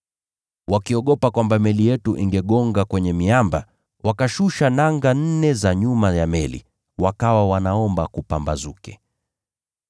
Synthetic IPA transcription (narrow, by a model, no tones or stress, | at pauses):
wakiɔɠɔpakwambamɛlijɛtuʔiŋɡɛɠɔŋɡakwɛɲɛmiamba | wakaʃuʃanaŋɡan̩nɛzaɲumajamɛlḭ | wakawawanaɔmbakupambazukɛ